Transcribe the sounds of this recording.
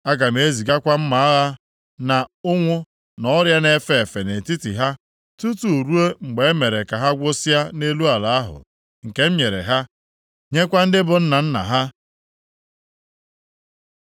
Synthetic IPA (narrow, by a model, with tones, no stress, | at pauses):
a˦ɡa˨m̩˨e˦zi˨ɡa˦kʷa˦m̩˦ma˨a˦ɣa˦ | na˨ʊ˦ŋʷʊ˦ | nɔ˦ɾja˦ne˦fe˦˨e˨fe˨ne˨ti˦ti˨ɦa˦ | tu˦tu˨ɾu˦e˦ŋ͡m̩˨ɡ͡be˨e˦me˨ɾe˨ka˨ɦa˦ɡʷʊ˦sa˦ne˦lu˦a˨la˨a˦ɦʊ̰˨ | ŋ̩˨ke˦m̩˦ɲe˨ɾḛ˨ɦa˦ | ɲe˦kʷa˦n̩˦dɪ˦bʊ˨n̩˦na˨n̩˦na̰˨ɦa˦